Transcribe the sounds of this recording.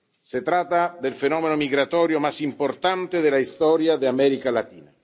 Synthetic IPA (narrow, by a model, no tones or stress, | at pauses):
set̪ɾat̪ːad̪elfenɔːmenomiɡɾat̪ɔːɾjomasimport̪ant̪ed̪elaist̪ɔːɾjad̪eamɛɾikalat̪iːna